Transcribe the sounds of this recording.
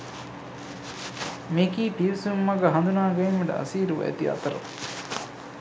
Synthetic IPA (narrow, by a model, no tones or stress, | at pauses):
mekiːpiɾsumːɐɡɐɦɐnd̪unaːɡɐimːɐɖɐ̰ʔɐ̰siːɾuʋɐ̰jḛt̪iɐ̰t̪ɐɾɐ̰